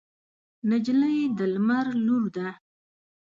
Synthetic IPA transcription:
nad͡ʒləjd̪əlmaɾluɾd̪a

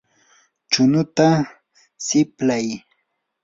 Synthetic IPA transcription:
t͡ʃʊnʊt̪a | sɪplaj

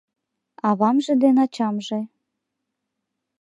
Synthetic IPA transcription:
ɑβɑmʒĕd̪enɑt͡ɕɑmʒe

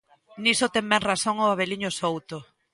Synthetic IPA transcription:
nisʊt̪ɛŋbɛŋraθoŋoaβeliɲʊsowt̪ʊ

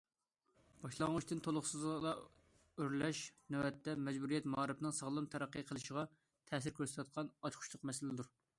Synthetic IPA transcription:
b̥ɑʃlˠɑŋut͡ʃt̪ɨnt̪ʰolˠʊχsɨzlˠɑ | øɾlɛʃnɛɛt̪ʰːɛmɛd͡ʒbuɾijɛt̪mɑɑɾɨpnɨŋsəʁlˠɨmt̪ʰɛɾæqːəqʰəlˠɨʃəʁɑ | t̪ʰɛːsɪɾkʲʰøɾsɛt̪ɛt̪̚qʰɑnɑt͡ʃqʰʊ̥ʃlˠʊqmɛsɪlɪd̪uɾ

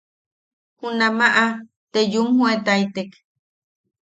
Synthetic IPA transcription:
hunamaʔa | t̪ejumhuet̪ajt̪ek

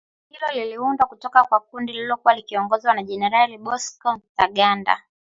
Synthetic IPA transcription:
hilɔliliundwakutɔkakwakundililɔkuwalikiɔŋɡɔzwanaʄɛnɛɾaliɓɔskɔntaɠanda̰

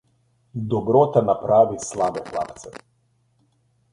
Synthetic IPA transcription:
d̪ɔbɾot̪anapɾaːʋislaːbɛxla̰pt̪sɛ̰

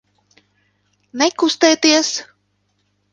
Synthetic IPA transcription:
nɛkust̪ɛːt̪iɛs

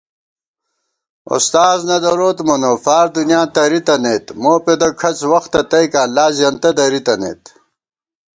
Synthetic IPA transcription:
o̰st̪aːznɐd̪ɐɾoːt̪monofaːɾd̪unjãːnt̪ɐɾit̪ɐneːt̪moːped̪ɐkʰɐt͡swɐxt̪ɐt̪ɐjkaːlaːzijɐnt̪ɐd̪ɐɾit̪ɐnḛːt̪

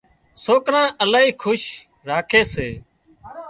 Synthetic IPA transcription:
soːkɾãːʔəlaːɦiːkʰʊʃ | ɾaːkʰeːseː

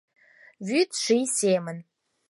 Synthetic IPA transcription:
vyt̪ʂijsemən

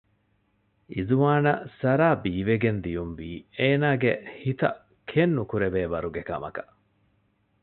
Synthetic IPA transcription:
izuʋaːnɐsɐɾaːbiːʋeɡend̪ijunʋiːeːnaːɡehit̪ɐ̰ | kʰenːukuɾeʋeːʋɐɾuɡekɐmɐ̰kɐ̥

